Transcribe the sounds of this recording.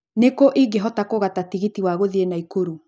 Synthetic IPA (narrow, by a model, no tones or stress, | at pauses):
nekoʔiɡeɦɔtakoɣatatiɣitiwaɣoðienaikoɾu